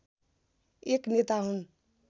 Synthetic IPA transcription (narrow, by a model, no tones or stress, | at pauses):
eknet̪aɦũn